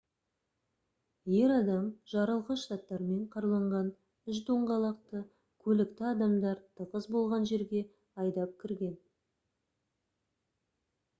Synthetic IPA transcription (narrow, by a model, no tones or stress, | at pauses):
je̞ɾɑd̪ɑmʒ̥ɑɾəlˠʁəʃt̪ɑt̪ːɑɾme̞ɴqʰɑɾlˠɑɴʁɑn | ʏʃ̬d̪oɴʁɑlˠɑq̚t̪ə | kʲʰɵlɪkt̪ɪɑd̪ɑmd̪ɑɾt̪ʰəʁəzbo̞lˠʁɑnʒe̞ɾɡʲe̞ | ɑjd̪ɑp̚kʲʰɪɾɡʲe̞n